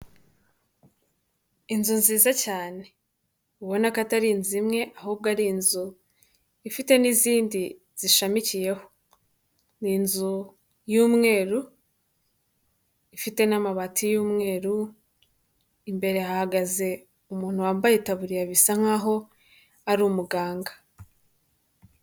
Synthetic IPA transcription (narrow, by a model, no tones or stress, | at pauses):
inzunziːzacaːne̞ | uβo̞nakataɾinzimŋe̞ʔaɦuːb̚ɡaɾinzu | ifite̞niziːndi | z̥iʃamicije̞ho̥ | ninzu | juːmŋe̞ːɾu | ifite̞namaβatʰijuːmŋe̞ːɾu | imbe̞ɾe̞hahaɡaze̞ | umuːn̥huwaːmbajetaβuɾijaβisaŋ̥aːɦo̞ | aɾuːmuɡaːŋɡa